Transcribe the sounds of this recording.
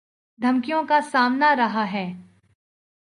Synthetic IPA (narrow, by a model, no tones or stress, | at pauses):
d̪ʱɐmkijõkasaːmnaɾɐɦaɦɛː